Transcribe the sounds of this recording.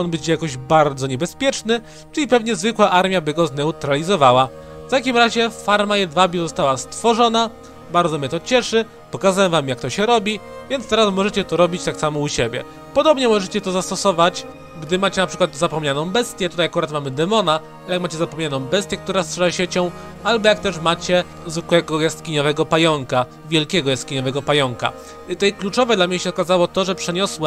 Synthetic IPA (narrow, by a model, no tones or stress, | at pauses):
ɔnbɘt͡ɕjakɔʑbaɾd̪zɔɲɛbɛspʲjɛt͡ʂnɘ | t͡ʂɘlʲipɛvɲɛzvɘkwaʔaɾmʲjabɘɡɔznɛut̪ɾalʲizɔvawa | ft̪akʲimɾaʑɛfaɾmajɛd̪vabʲuzɔst̪awast̪fɔʐɔna | baɾd̪zɔmɲɛt̪ɔt͡ɕɛʂɘ | pɔkazawɛmvamjak̚t̪ɔɕɛɾɔbʲi | vʲjɛnt̪t̪ɛɾasmɔʐɛt͡ɕɛt̪ɔɾɔbʲit͡ɕt̪aksamɔuɕebʲjɛ̰ | pɔd̪ɔbɲɛmɔʐɛt͡ɕɛt̪ɔzast̪ɔsɔvat͡ɕ | ɡd̪ɘmat͡ɕɛnapʂɘkwad̪zapɔmɲanɔ̃w̃bɛst̪ʲjɛt̪ut̪ajakuɾat̪mamɘd̪ɛmɔna | aɛjakmat͡ɕɛzapɔmɲanɔ̃w̃bɛst̪ʲjɛkt̪uɾastʂɛlaɕɛt͡ɕɔ̃w̃ | albɔjak̚t̪ɛʂmat͡ɕɛ | zwɘkwɛɡɔjast̪kʲiɲɔvɛɡɔpajɔŋka | vʲjɛlkʲɛɡɔjast̪kʲiɲɔvɛɡɔpajɔŋka̰ | t̪ɛjklut͡ʂɔvɛd̪lamɲɛɕɛɔkazawɔt̪ɔʐɛpʂɛɲɔswɛ